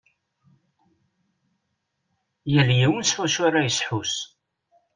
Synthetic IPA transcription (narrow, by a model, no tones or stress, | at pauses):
jəljiwənsfæʃʊɾajəsħus